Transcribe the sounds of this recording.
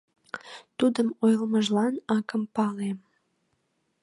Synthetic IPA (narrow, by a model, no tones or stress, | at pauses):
t̪ud̪əmojlməʒlɑnɑkəmpɑlem